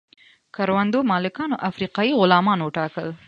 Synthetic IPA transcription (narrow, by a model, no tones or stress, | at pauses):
kaɾwand̪omɑlɪkɑnoʔafɾiqɑjiɣʊlɑmɑnoʈɑkəl